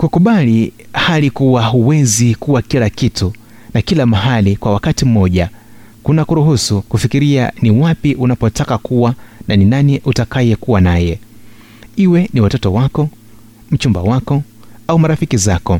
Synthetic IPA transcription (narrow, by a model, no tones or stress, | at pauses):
kukuɓali | halikuwaɦuwɛzikuwakilakitu | nakilamaɦalikwawakatim̩mɔʄa | kunakuɾuɦusukufikiɾia̰niwapiʔunapɔtakakuwananinaniʔutakajɛkuwanajɛ | iwɛniwatɔtɔwakɔ | m̩t͡ʃumba̰wakɔ | aumaɾafikizakɔ